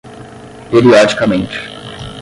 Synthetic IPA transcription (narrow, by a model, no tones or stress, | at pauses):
peɾiɔd͡ʒikɐmẽnt͡ʃɪ̥